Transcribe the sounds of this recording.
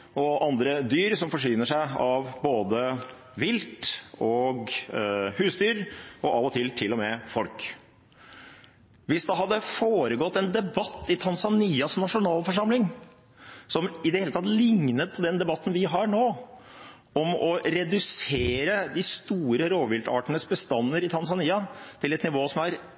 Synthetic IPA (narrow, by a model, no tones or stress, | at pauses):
ɔʔɑnd̪ɾəd̪yːɾsɔmfɔʂyːnəʂæɪɑʋboːd̪ə | ʋɪlt̪ɔɡ | hʉːsd̪yːɾɔʔɑːʋɔt̪ʰɪlt̪ʰɪlːɔmɛfɔlk | ʋɪsd̪ɑɦɑd̪ːəfoːɾəɡɔt̪ːɛnd̪ɛbɑt̪ːɪt̪ʰɑnsɑniːɑsnɑʂʊnɑːlfɔʂɑmlɪŋ | sɔmɪd̪ɛheːlət̪ʰɑt̪lɪŋnət̪̚pʰɔd̪ɛnd̪ɛbɑt̪ːn̩ʋɪɦɑɾɳoː | ɔmɔɾɛd̪ʉseːɾəd̪ɪst̪uːɾəɾoːʋɪlt̪ɑ̰ːʈənəsbəst̪ɑnːəɾɪt̪ʰɑns̬ɑniːɑt̪ʰɪlɛt̪nɪʋoːsɔmæɾ